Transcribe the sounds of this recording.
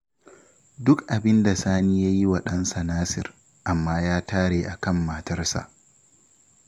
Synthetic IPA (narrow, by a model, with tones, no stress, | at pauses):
dʊ˦kʔa˨bɪ˦nda˨saː˦niː˦ja˦ji˦wɐ˨ɗɐ˦nsa˨naː˦sɪ̰˨r | ʔa˨mːaː˦jaː˦taː˦ɽeː˨ʔa˨kɐ˦˨mːaː˨tɐ˦rsa̰˨ʔ